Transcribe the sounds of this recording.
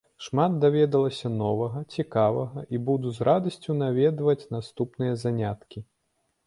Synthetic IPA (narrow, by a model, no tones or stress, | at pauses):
ʂmad̪̚d̪avʲɛd̪ɐlˠɐsʲɐnɔvɐɣɐt͡sʲikavɐɣɐʔibud̪uzɾad̪ɐsʲt͡sʲunavʲɛd̪vɐt͡sʲnast̪upnɨjɐzanʲat̪kʲi